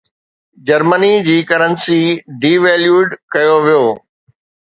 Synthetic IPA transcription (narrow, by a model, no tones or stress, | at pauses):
d͡ʑɐɾmənid͡ʑiːkɐɾənsiɖiːʋɛːljuːɖkɐjoʋijoː